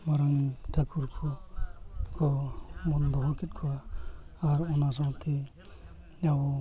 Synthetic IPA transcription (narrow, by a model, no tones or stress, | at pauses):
maɾaŋt̪ʰakʰuɾkʰɔ | kʰɔmɔnd̪ɔɦɔkit̪̚kʰɔaː | ɾɔnas̬ãwt̪ʰi | naw